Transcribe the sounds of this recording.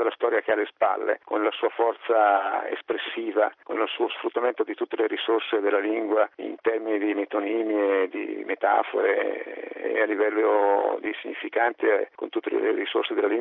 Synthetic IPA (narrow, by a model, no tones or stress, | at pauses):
alast̪ɔːɾjak̟ealːespa̰lːḛkonlasuːafɔrt̪saḛspɾesːiːvako̰nlosuːosfɾut̪ːament̪od̪it̪ut̪ːeleɾisorsed̪elːaliŋɡwaḭnt̪ɛrminid̪imet̪oniːmjed̪ḭmet̪a̰fo̰ɾḛ | alːivɛlːod̪isiɲːifikant̪eko̰nt̪ut̪ːelḛlḛɾiso̰rsed̪elːaliŋ